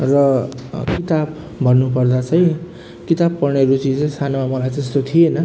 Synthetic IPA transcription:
rʌkit̪ab | bʱʌnːupʌrd̪at͡sʰʌj̃ | kit̪abpʌrneɾut͡sit͡sʌĩsanamamʌlajd͡zʌst̪ot̪ʰienʌ

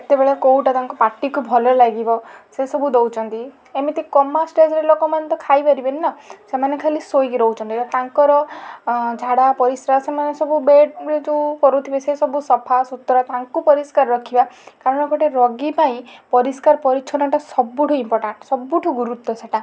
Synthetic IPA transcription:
et̪ebeɭekowʈat̪aŋkɔpaʈikubʱɔlɔlaɡibɔsesɔbʱud̪owt͡ʃʰɔnt̪i | emit̪ikɔmasʈed͡ʒɾelokɔmant̪ɔkʰajbaɾibennasemanekʰalisojkiɾɔwt͡ʃʰɔnt̪iat̪aŋkɔɾɔ | d͡ʒʱaɽapɔɾisɾasemanesɔbubeɖd͡ʒukɔɾut̪ʰibesesɔbusɔpʰasut̪ːɾat̪aŋkupɔɾiskaɾɾɔkʰibakaɾɔnɔkɔʈeɾɔɡipaĩpɔɾiskaɾpɔɾit͡ʃʰɔnaʈasɔbuʈʰɔimpɔɾʈaɳʈsɔbːuʈʰuɡuɾut̪ːɔseʈa

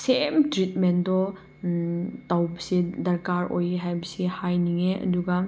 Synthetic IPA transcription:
semtɾit̚mendɔ | tawbɐsidɐɾkaɾo̰jeɦajbɐsihajniŋeʔɐ̰duɡa

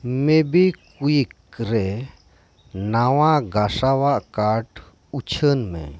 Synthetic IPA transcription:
mebikuikɾɛ | nawaɡasawaʔkaɾʈ | ut͡ʃʰənmɛ̰̃

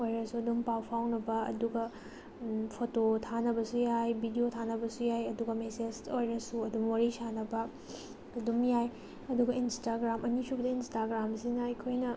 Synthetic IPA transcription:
ojɾɐsuɐdumpawpʰawnɐbɐɐ̰duɡɐ | pʰototʰanɐbɐsujajbʱidiotʰanɐbɐsujajɐduɡɐmesed͡ʒojɾɐsuɐdumwaɾisanɐbɐ | ɐdumjaj | ɐduɡɐinstaɡɾamʔɐnisʰubɐdɐinstaɡɾamsinɐjkʰojnɐ

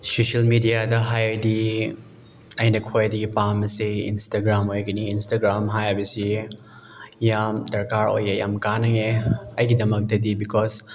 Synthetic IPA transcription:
sosɐlmidijadɐɦajdi | ɐjnɐkʰojdɐɡipamɐsiḭnstaɡɾamojɡɐniːnstaɡɾamɦajabɐsi | jamdɐɾkaɾo̰jeja̰mkanɐŋeɐjɡidɐmɐk̚tɐdibikʰɔs

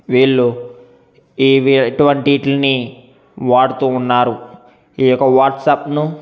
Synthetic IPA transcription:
ʋiːɭːu | iːʋiʈuʋɐɳʈiʈlɐni | ʋaːɽut̪uːnːaːɾu | iːjɔkːɐʋaːɾʈsɐpnu

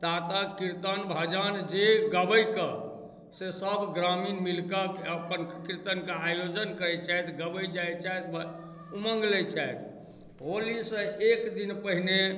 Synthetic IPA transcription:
t̪at̪əkiɾt̪ənbʱad͡ʒand͡ʒeɡəbəjkə | sesəbɡɾaminmilkəkəpənkiɾt̪ənkeajod͡ʒənkəɾɛt͡ʃʰajt̪ɡəbəjd͡ʒajt͡ʃajt̪b | uməŋɡlɛt͡ʃʰajt̪ʰ | ɦolisə̃ʔekd̪inpəɦine

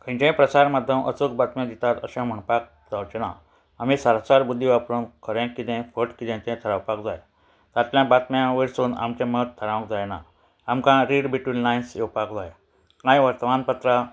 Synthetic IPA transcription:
kə̃t͡ɕɛ̃pɾəsaɾmad̪ʱːjəmʔə̰sukbat̪mjãd̪it̪at̪əɕãm̤əɳpak̚ | d͡zawt͡ɕena̰ | am̤isəɾasaɾbud̪ʱːiʋapɾunkʰəɾɛ̃kit̪ɛ̃fəʈkit̪ɛ̃t̪ɛ̃t̪ʰəɾawpakd͡zaj | t̪at̪ljãbat̪mjãʋeɾsuːna̰mt͡ɕẽmət̪ʰːəɾãʋə̃kd͡zajna̰ | amkãɾiɽbiʈʋilnajnsjewpakd͡zaj | nãjʋəɾt̪ʋanpət̪ɾa

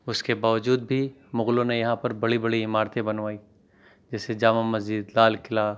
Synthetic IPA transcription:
ʊskebaːʋəd͡ʒuːd̪bʱimʊɣlõnejɐɦãpɐɾbɐɽibɐɽiɪmaːɾt̪ẽbɐnʋaːi | d͡ʒɛːsed͡ʒaːmamɐzd͡ʒɪd̪laːlkɪlaː

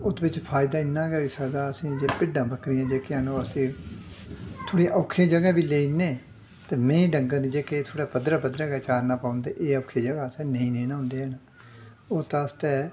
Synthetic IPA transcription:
ʊt̪bɪt͡ʃpʰaːɪd̪aːɪnːãːɡɛːiːsəd̪aːəsĩːd͡ʒeːpɪɖãːbəkɾijãːd͡ʒeːkeaːnũːəsĩː | t̪ʰoːɽiːʔɔːkʰːẽːd͡ʒəɡaːbiːleːinẽː | t̪eːmɛ̃ːĩːɖəŋɡəɾnĩd͡ʒeːkeːt̪ʰoːɽaːpəd̪ɾaːpəd̪ɾaːɡɛːt͡ʃaːɾnaːpaːʊ̃nd̪eːʔeːɔːkʰeːd͡ʒəɡaːsɛ̃ːnəĩːnĩːnãːʊ̃nd̪eːɛnaː | oːt̪ãːst̪ɛː

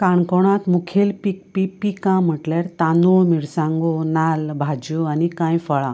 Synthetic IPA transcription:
kaɳkɔɽ̃ãt̪mukʰelpik̚pipikãm̤əʈlaɾt̪anumiɭsãŋɡonalbʱad͡ʑuanikãjfəɭã̰

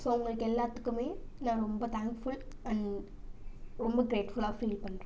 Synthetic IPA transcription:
soːʊŋɡɐɭɯkːɛlːaːt̪ːɯkːɯmeːnãːɾɔmbɐt̪ʰaːŋkfʊɭɐ̃ɳ | ɾɔmbɐɡɾeːʈfʊɭaːfiːlpɐɳːrẽ

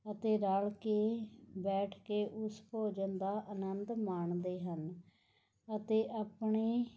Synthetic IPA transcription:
ət̪eːɾaːɭkeːbɛːʈʰkeːʔʊspoːd͡ʒənd̪aːʔənənd̪maːɳd̪eːɦən | ət̪eːʔaːpɳeː

